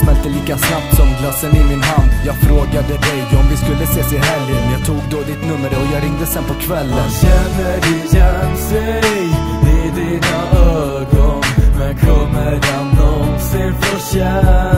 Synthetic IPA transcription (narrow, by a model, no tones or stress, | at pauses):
smɛlt̪əliːkasnap̚t̪sɔmɡlasːənɪmɪnɦand̪jɑːɡfɾoːɡad̪əd̪ɛjɔmdɪskɵlːəseːsɛjɦɛlːɪənjɑːt̪ʰuːɡ̚d̪od̪ɪt̪nɵmːəɾɔjɑːɾɪŋd̪əsɛnpʰɔkʰvɛlːənɕɛnːədɪɕɛnsɛj | ɪd̪inaøː | ɡɔnmɛnkʰɔmːəɾjand̪ɔseːɾfɔɕɛ